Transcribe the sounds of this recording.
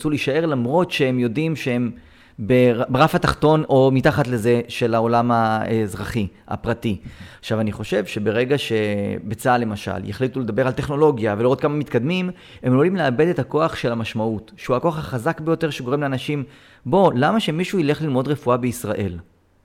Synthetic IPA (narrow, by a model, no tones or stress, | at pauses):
t͡suliʃae̞ʁlamʁo̞tʃeemjo̞dimʃehem | beabeʁafataχto̞nʔo̞mitaχatle̞ze̞ʃe̞lao̞lamaezʁaχia̰pʁatiaχʃavaniχo̞ʃe̞vʃe̞be̞ʁe̞ɡaʃe̞bet͡sale̞maʃa̰lja̰χlituled̪abe̞ʁalte̞χno̞lo̞ɡjaveliʁo̞t̚kamamit̪kad̪mim | e̞molimleabe̞d̪etako̞aχʃe̞lamaʃmautʃeuako̞aχhaχazakbejo̞te̞ʁʃeɡo̞ʁemleanaʃim | bo̞lamaʃemiʃuile̞χlilmo̞d̪ʁefuabe̞isʁaʔel